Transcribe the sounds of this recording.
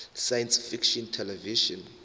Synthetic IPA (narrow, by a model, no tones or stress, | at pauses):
sajɛ̃nsfikʃɔ̃ntʰɛlɛviʃɔ̃n